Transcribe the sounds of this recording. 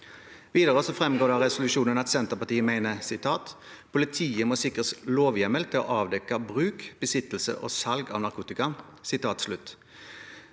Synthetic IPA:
ʋiːd̪əʁəsɔfʁɛmɡoːd̪ɑʁɛsʊlʉʃuːnənɑt̪sɛnt̪əʁpɑt̪iːəmæɪnəsɪt̪ʰɑːt̪ | pʰʊlɪt̪ʰiːəmɔsɪkʁəsloːʋjɛməlt̪ʰɪlɔ̰ʔɑːʋd̪ɛkːɑbʁʉːkb̥əsɪt̪l̩sə̰ʔo̰ːsɑlɡɑ̰ːʋnɑʁkʰuːt̪ɪkɑsɪt̪ʰɑːt̪slʉt̪ː

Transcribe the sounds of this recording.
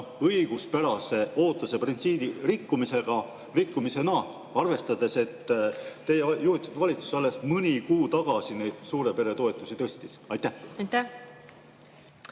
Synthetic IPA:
oɤjɡ̥uspæɾɑse̞o̞ːt̪ːˑuse̞print̪siːd̪̥irikːumise̞ɡ̥ɑ | rikːumise̞nɑ | ɑrve̞st̪ɑd̪e̞se̞t̪ːe̞jejuhit̪ːˑud̪vɑlʲit̪su̥sɑlːe̞st̪mɯnʲikuːt̪ɑɡ̥ɑsinejd̪̥suːɾe̞pe̞ɾe̞t̪o̞e̞t̪ːˑusit̪ɤst̪isɑjt̪æht̪æ

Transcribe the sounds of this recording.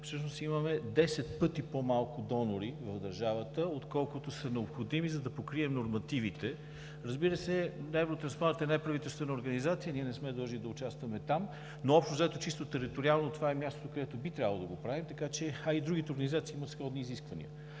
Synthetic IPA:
fsɤʃnost̪iməmɛd̪ɛsɛt̪pɤt̪ipomalˠkʊd̪ɔnoɾivɐvd̪ɐɾʒavət̪əot̪kɔlˠkʊt̪osənɛopxod̪imizɐd̪ɐpokɾiɛmnoɾmɐt̪ivit̪ɛ | ɾəzbiɾəsɛnɛvɾot̪ɾɐnspaɾt̪ɛnɛpɾɐvit̪ɛlˠst̪vɛnəoɾɡɐnizat̪sijəniɛnɛsmɛd̪əlˠʒnid̪ɐʊt͡ʃast̪vɐmɛt̪am | noɔpʃt̪ozɐɛt̪ot͡ʃist̪ot̪ɛɾit̪oɾialˠnot̪ovaɛmʲjast̪o̥t̪okɐd̪ɛt̪obit̪ɾʲabəlˠo̰d̪ɐɡopɾavimt̪ɐkat͡ʃɛɐid̪ɾuɡ̟it̪oɾɡənizat̪siːimət̪sxɔd̪niːziskvɐnḭə

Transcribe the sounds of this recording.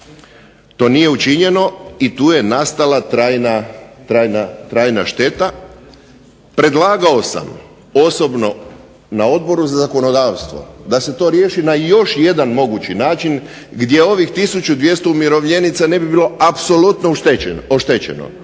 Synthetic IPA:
t̪o̞ːnije̞ut͡ʃiɲe̞no̞it̪uːje̞nast̪alˠat̪ɾaːjnat̪ɾaːjnat̪ɾaːjnaʃt̪e̞t̪a | pɾe̞d̪lˠaːɡaosa̰m | o̞so̞bno̞ | nao̞d̪̚bo̞ɾuzazako̞no̞d̪aːʋst̪ʋo̞̰d̪ase̞t̪o̞ɾjeːʃinajo̞ʃje̞d̪anmo̞ɡut͡ɕinaːt͡ʃin | ɡd̪je̞o̞ʋixt̪isut͡ɕud̪ʋje̞st̪o̞umjeɾo̞ʋʎe̞nit̪sane̞bibiːlo̞apso̞lut̪noeoʃt̪et͡ɕḛno̰

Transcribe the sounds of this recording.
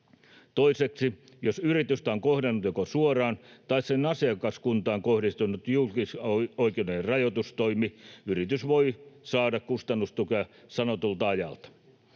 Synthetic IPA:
t̪oiseksi | josyrit̪yst̪æoŋkohdenːut̪jokosuorɑːnt̪ɑissenɑsiɑkɑskunt̪ɑːŋkohdist̪unut̪julkisoikeuneerɑjot̪ust̪oimiyrit̪ysʋoisɑːdɑkkust̪ɑnːust̪ukøsɑnot̪ult̪ɑɑjɑ̰lt̪ɑ̥

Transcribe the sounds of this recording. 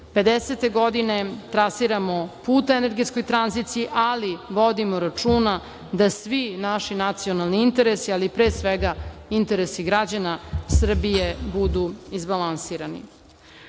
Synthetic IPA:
pe̞d̪eset̪e̞ɡo̞d̪ine̞t̪ɾasiɾamo̞puːt̪aene̞ɾɡet̪sko̞jt̪ɾanzit̪sijiʔaliʋo̞d̪imoɾat͡ʂuːna | d̪asʋinaʃinat̪sijo̞nalniint̪e̞ɾesialipɾeːsʋeɡaint̪e̞ɾesiɡɾad͡ʑanasr̩bijebud̪uizbalansiːɾanḭ

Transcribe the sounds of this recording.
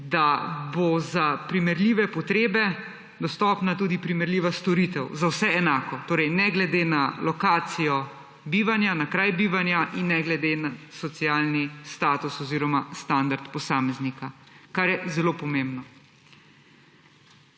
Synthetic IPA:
d̪abozapɾimɛɾliːʋɛpɔt̪ɾeːbɛ | d̪ɔst̪ɔːpnat̪uːd̪ipɾimɛɾlʲiːʋast̪ɔɾit̪ɛwzawsɛɛnaːkɔt̪oːɾɛjnɛɡlɛd̪eːnalɔkaːt̪sijɔ | biːʋanjanakɾajbiːʋanjaʔinːɛɡlɛd̪enasɔt̪siaːlnist̪aːt̪usɔziːɾɔmast̪and̪aɾt̪pɔsaːmɛznikakaɾjɛzɛloːpɔmembnɔ

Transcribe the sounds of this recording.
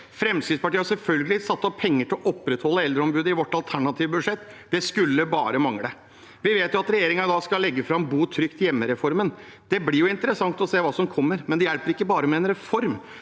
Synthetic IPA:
fɾɛmskɾɪt̪spɑʈiəhɑsɛlfœlɡəlɪsɑt̪ːɔpʰːɛŋːəʈʰɪlɔʔɔpːɾɛt̪hɔlːəɛld̪ɾəɔmbʉːd̪ɪʋɔʈːɑlt̪ʰæɳɑt̪ʰiːʋəbʉd̪ʂɛt̪ː | d̪̥ɛskʉlːəbɑːɾəmɑŋɽə | ʋɪʋeːt̪jʊɑt̪ɾɛjeːɾɪŋɑd̪ɑːskɑlːɛɡːəfɾɑbuːt̪ʰɾʏkt̪ɪjɛmːəɾɛfɔɾmənd̪̥ɛblɪɾjʊɪnt̪əɾəsɑŋt̪ɔseːʋɑːsɔmkʰɔmːəɾmɛnd̪ɛjæɭpəɾɪkːəbɑːɾəmɛːnɾɛfɔɾm

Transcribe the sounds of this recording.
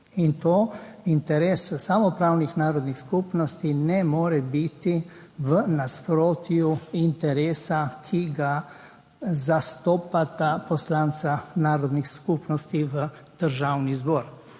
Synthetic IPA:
int̪oːint̪ɛɾeːssamɔpɾaːwnixnaːɾɔd̪nixskuːpnɔst̪inɛmoːɾɛbit̪i | ʋənaspɾoːt̪juint̪ɛɾeːsakʰiɡa | zast̪ɔːpat̪apɔslaːnsanaːɾɔd̪nixskupnɔst̪iʋə | d̪̥əɾʒaːwnizbɔːɾ

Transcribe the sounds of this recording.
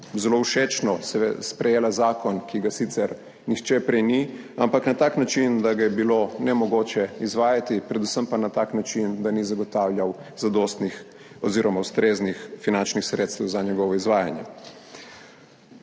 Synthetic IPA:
zɛlouʃet͡ʃnɔsɛspɾɛjeːlazaːkʰɔnkiɡasit̪sɛɾ | nixt͡ʃɛpɾɛjni | ampaknat̪aːknat͡ʃind̪aɡajɛbilonɛmɔɡoːt͡ʃɛizʋaːjat̪ipɾɛd̪usəmpanat̪aːknat͡ʃind̪anizaɡɔt̪awlʲjawzad̪ost̪nix | ɔziːɾɔmawst̪ɾeːznixfinant͡ʃnixsɾeːt̪st̪ɛwzaɲɛɡɔʋɔizʋaːja̰njɛ̰

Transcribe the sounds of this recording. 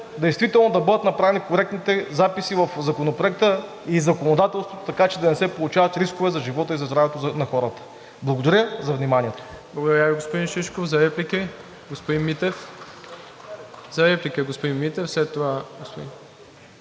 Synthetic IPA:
d̪ɛjst̪vit̪ɛlˠnod̪ɐbɤd̪ət̪nɐpɾavɛnikoɾɛk̚t̪nit̪ɛzapisivɐfzɐkonopɾoɛk̚t̪ə | izɐkonod̪at̪ɛlˠst̪vot̪o̥t̪ɐkat͡ʃɛd̪ɐnɛsɛpolˠut͡ʃavɐt̪ɾiskovɛzɐʒivɔt̪əizɐzd̪ɾavɛt̪onɐxɔɾət̪ə̥ | blˠɐɡod̪ɐɾʲəzɐvnʲimaniɛt̪o̥blˠɐɡʊd̪ɐɾʲjaviɡospod̪inʃiʃkofzɐɾɛplʲiki | ɡospod̪inmit̪ɛf | zɐɾɛplikəɡospod̪inmit̪ɛfslɛt̪ːovaɡospod̪i

